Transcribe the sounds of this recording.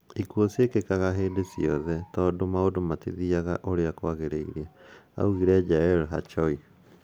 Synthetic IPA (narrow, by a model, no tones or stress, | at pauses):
ikuosiekekaɣaɦeːdesiɔðɛtɔːdomaodomatḭðiaɣaʔoɾeakwaɣeɾeiɾiaa̰uɣiɾɛd͡ʒaɛlɦa̰t͡ʃɔi